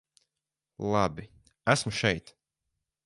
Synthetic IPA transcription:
lˠɑbi | æsmuʃɛjt̪

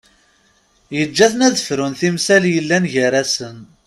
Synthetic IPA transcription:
jəd͡ʒːæθənæðəfɾunθimsæljəlːænʝəɾæsən

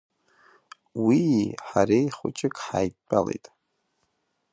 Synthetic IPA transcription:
wiħaɾejχʊt͡ʃʼɪkʼħaːjpʼalejtʼ

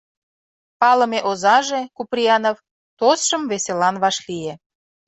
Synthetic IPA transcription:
pɑlə̆meʔozɑʒekuprʲiɑnof | t̪osʃəmveselɑnβɑʃlie

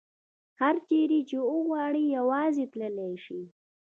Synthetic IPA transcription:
haɾt͡ʃeɾit͡ʃeəɣwɑɽijawɑzet̪ləleʃi

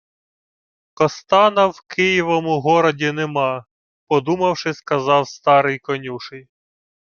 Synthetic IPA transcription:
kɔst̪ɑnɐwkɪjiʋɔmʊɦɔɾɔdʲinemɑ | pɔd̪umɐwʃɪskɐzɑwst̪ɑɾɪjkɔnʲuʃɪj

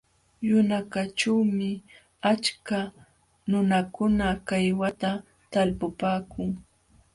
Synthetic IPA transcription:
jʊnakaʈ͡ʂawmɪ | at͡ʃka | nʊnakʊnakajwat̪a | t̪alpʊpaːkʊŋ

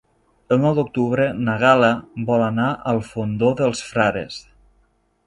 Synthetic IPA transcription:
ənɔwd̪uk̚t̪uβɾənaɣalabɔlanaʔəlˠfond̪oðəlˠsfɾaɾḛs

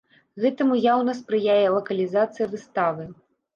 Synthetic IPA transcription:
ɣɛt̪ɐmujawnɐspɾɨjajɛlˠɐkɐlʲizat̪sɨjɐvɨst̪avɨ

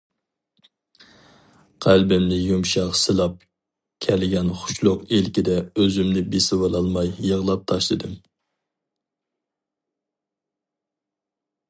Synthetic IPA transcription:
qʰælbɪmlɪjumʃɑqsɨlˠɑp̚ | kʲʰɛlɪɡʲɛnχʊ̥ʃlˠʊqelkʲid̪ɛøzymnɪbesɪwɑlˠɑlˠmɑjːəʁlˠɑp̚t̪ʰɑʃlˠɨd̪ɨm

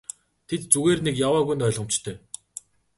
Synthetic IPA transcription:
t̪ʰet̪t͡suɣeːrnekjawaːɣujnt̪œːɮʁə̆m̥t͡ɕt̪ʰœː

